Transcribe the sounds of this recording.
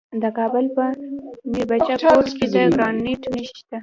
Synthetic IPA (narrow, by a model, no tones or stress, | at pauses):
d̪əkɑbəlpəmiɾbat͡ʃaoʈked̪əɡɾɑnːeʈnəʃi̥ʃt̪a